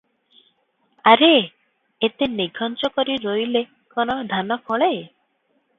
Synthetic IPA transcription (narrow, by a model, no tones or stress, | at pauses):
aɾe | et̪eniɡʱɔnt͡ʃɔkɔɾiɾojle | kɔnɔd̪ʱanɔkʰɔɭe